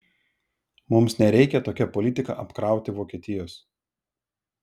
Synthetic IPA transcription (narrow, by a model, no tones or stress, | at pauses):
mʊmsnʲɛɾʲɛɪkʲɛt̪oːkʲɛpɔlʲɪt̪ʲɪkɐ̰ʔɐpkɾɑˑʊt̪ʲɪʋoːkʲiɛt̪ʲɪjoːs